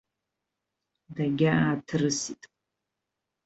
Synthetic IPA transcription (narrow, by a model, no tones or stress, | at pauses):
daɡʲaaːtʰɨrɨsitʼ